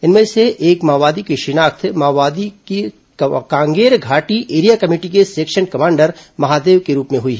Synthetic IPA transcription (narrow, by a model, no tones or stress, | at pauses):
ɪnmẽseʔeːkmaːʋaːd̪ikiʃɪnaːkt̪ʰmaːʋaːd̪ike | kãːŋɡeːɾɡʱaːʈiʔeːɾijakɐmeːʈikeseːkʃənkɐmãːɳɖəɾmɐɦaːd̪eːʋkeɾuːpmẽɦʊiɦɛː